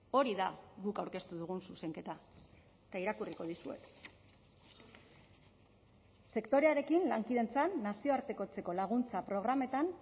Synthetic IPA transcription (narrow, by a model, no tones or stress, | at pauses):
o̞ɾiðaɡukawɾke̞st̪uðuɣ̞unsuse̞ŋke̞t̪a | et̪aiɾakuriko̞ð̞isue̞̰k | se̞kt̪o̞ɾe̞aɾe̞kinlaŋkið̞ent͡sanːasio̞aɾt̪e̞ko̞t͡se̞ko̞laɣ̞unt͡sapɾo̞ɣ̞ɾame̞t̪an